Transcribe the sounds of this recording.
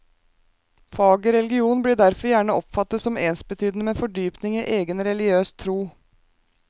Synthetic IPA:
fɑːɡɔɾɛlɡɪuːnbliːɖæɾfɔɾjæːɳəʔɔpfɑt̪ːət̪sɔmeːnsbət̪ʰyːd̪ənəmeːfɔɖyːpnɪŋiːʔeːɡənɾɛlɪøːst̪ʰɾuː

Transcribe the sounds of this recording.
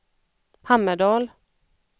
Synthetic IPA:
hamːəɖ̪ɑːl

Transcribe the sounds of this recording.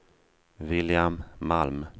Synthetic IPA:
vɪljamːalm

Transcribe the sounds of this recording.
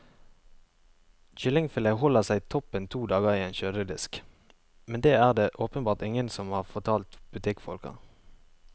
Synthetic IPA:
çʏlɪŋfɪləɦɔləʁsæɪt̪ʰɔpənt̪ʰuːd̪ɑːɡəʁiːeːnʃøːd̪əd̪ɪsk | mɛnd̪eːæːʁd̪eːʔoːpənbɑːʁt̪ɪŋənsɔmhɑːʁfɔʁt̪ʰɑːlt̪b̥ʉt̪ʰɪkfɔ̰lkə̰ʁ

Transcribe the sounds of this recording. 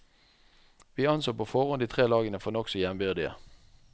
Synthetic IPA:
ʋiːɑnsoːpʰofɔʁɔnd̪iːt̪ʰʁeːlɑːɡənəfɔnɔksɔjɛmbyːd̪ɪə̰

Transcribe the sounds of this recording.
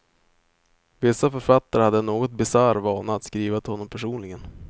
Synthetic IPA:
vɪsːafœɾfat̪ːaɾəhad̪ːənoːɡɔt̪̚bɪsaɾvɑːnaːt̪skɾiːvat̪ʰɪlɔnːɔmpʰæʂuːnlɪɡən

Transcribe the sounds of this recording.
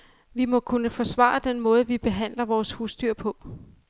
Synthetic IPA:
ʋimɒ̽kʰunəfɒ̽sʋɑ̰̈ːɑd̥enmɔ̽ːð̞̩ˠʋib̥e̝ɦæn̰lɐʋɒːshuːsd̥yɐ̰pʰɔ̽

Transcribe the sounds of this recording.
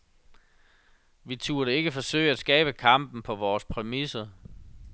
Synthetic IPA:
ʋit͡sʰuːɐɾəe̝ɡ̥əfɒ̽sø̰ɪæsɡ̥ɛ̰ːb̥əkʰɑ̈m̰b̥n̩pʰɒ̽ʋɒːspʰʁɛmisɐ

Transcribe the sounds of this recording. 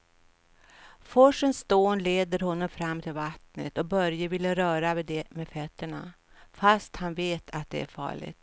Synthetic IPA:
fɔʂənst̪oːnleːd̪əɾhɔnːɔmfɾamːt̪ʰɪlvat̪nə̰t̪ɔbœɾjəvɪlːəɾœːɾaved̪ɛmeːd̪fœt̪ːəɳa̰ | fast̪hanveːt̪ʰat̪̚d̪ɛ̰æ̰ɾfɑ̰ːɭɪ̰ɡt̪

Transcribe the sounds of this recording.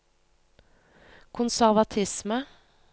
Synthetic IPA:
kʰʊnsæʁʋɑt̪ʰɪsmə

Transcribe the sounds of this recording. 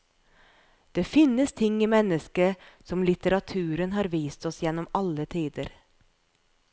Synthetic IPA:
d̪̥eːfɪnːəst̪ʰɪŋːimɛnəskəsɔmlɪt̪əɾɑt̪ʰʉːɾənɦɑːɾʋiːst̪ɔsjɛnːɔmɑlət̪ʰiːd̪əɾ

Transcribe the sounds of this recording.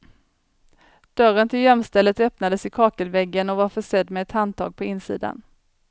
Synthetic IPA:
d̪̥œɾənt̪ʰɪljɛmst̪ɛlːət̪œpnad̪əsɪkʰɑːkəlvɛɡːənɔvaɾfœʂɛd̪ːmɛːt̪hand̪̚t̪ʰɑ̰ːɡ̚pʰɔɪnːsḭːd̪a̰n

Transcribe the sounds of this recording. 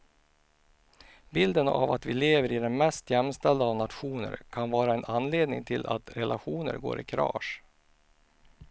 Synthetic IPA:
bɪld̪əna̰vat̪vɪleːvəɾɪd̪ɛnmɛst̪jɛmst̪ɛld̪aːvnat̪ɧuːnə̰ɾkʰanvɑːɾaɛnʔanːleːd̪nɪ̰ŋt̪ʰɪlʔa̰t̪ɾɛlʔaɧuːnə̰ɾɡo̰ːɾɪ̰kʰɾɑ̰ːʂ

